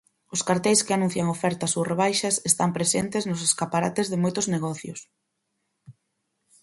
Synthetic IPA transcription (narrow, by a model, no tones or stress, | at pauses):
ʊskaɾt̪ɛjskɪanũn̟θjaŋofɛɾt̪asureβ̞ajʃɐsest̪ampɾesent̪eznʊseskapaɾa̰t̪ezðɪmojt̪ʊzneɣɔθjʊ̰s